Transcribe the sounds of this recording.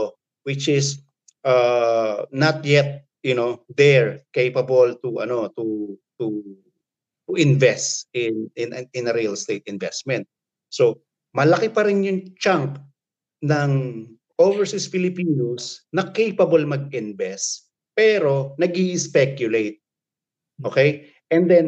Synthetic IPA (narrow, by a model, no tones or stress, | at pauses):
wɪt͡ʃɪs | ʔa | nɐt̪̚jɛt̪̚ | jʊnod̪ɛɹkejpɐbɐlt̪uʔɐ̰no̞t̪ut̪u | t̪ʊʔɪnvɛst̪ɪnɪnɪ̃nɐɾiɐlst̪ejt̪ɪnvɛst̪mɛ̃nt̪̚ | so | mɐlɐkɪpɐɾɪnjʊŋt͡ʃaŋk | nɐŋ | ʔovɛɹsɪsfɪlɪpiːnosnɐkejpɐbɐlmɐɡ̚ɪnvɛst̪ | pɛːɾo̞nɐɡiʔɪspɛkjʊlejt̪̚ | ʔokɛj | ʔɛnd̪ɛn